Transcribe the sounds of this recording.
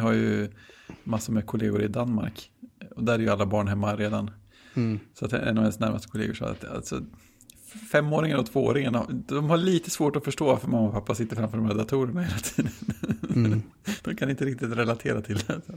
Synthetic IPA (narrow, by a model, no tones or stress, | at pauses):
ɦajɵ | masːʊɾmɛkʰʊlḛːɡʊɾɪd̪anma̰ɾkɔd̪æɾæɾjɵalːabɑːɳɦɛmːaɾeːd̪an | sɔat̪ɛ̰ɛ̰nːɔvhɛnsnæɾmast̪ə̥kʰʊlḛːɡʊʂɑ̰ːa̰t̪a̰lsɔ̰ | fɛmːoːɾɪŋənɔt̪ʰv̥oːo̰ːɾɪŋənd̪ɔmhaɭiːt̪əsvoːʈɔfœʂʈoːvaɾfœɾmamːaɔpʰapːasɪt̪ːəɾfɾamfœɖɔmɾɛd̪at̪ʰuːɾəɳaheːlat̪ʰiːd̪ən | d̪̥ɔmkʰanɪnt̪əɾɪk̚t̪ɪt̪ɾɛlat̪ʰeːɾat̪ʰɪld̪ɛs